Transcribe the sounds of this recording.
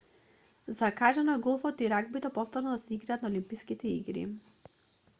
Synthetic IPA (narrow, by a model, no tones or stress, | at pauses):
zakaʒanaɡɔlˠfɔt̪iɾaɡ̚bit̪ɛpɔft̪ɔɾnɔd̪asɛiɡɾaːt̪naolimpiskit̪ɛḭɡɾḭ